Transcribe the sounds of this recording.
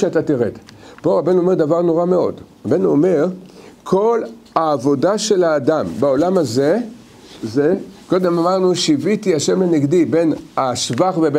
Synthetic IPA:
at̪atiʁed̪po̞ʁabe̞nuome̞ʁd̪avaʁno̞ʁameo̞̰dʁabe̞nuome̞ʁkʰo̞l | aːvo̞daʃe̞laːdambeo̞lamaze | zeko̞d̪e̞mamaʁnuʃivitiaʃe̞mleneɡdibe̞naʃvaχvebe

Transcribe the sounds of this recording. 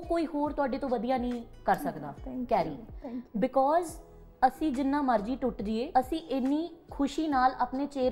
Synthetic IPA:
koːiːhoːɾt̪ʊaːɖeːt̪õːʋəd̪ijaːnĩː | kəɾsəkd̪a̰ːkɛːɾḭːbɪkɔːz | əsĩːd͡ʒɪnːãːməɾd͡ʒiːʈʊʈɾiːeːəsĩːʔɪnːĩːkʰʊʃiːnaːlaːpneːt͡ʃeːɾ

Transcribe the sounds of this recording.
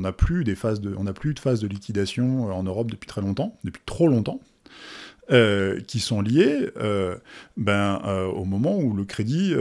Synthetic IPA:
naplyd̪efazd̪əɔ̃naplyd̪əfazd̪əlikʲid̪asjɔ̃øɑ̃nøʁɔp̚d̪əpɥi̥t̪χɛlɔ̃t̪ɑ̃d̪əpɥ̥i̥t̪χolɔ̃t̪ɑ̃ | økʲisɔ̃ljeø | bɛ̃øo̰mɔmɑ̃uləkχed̪i

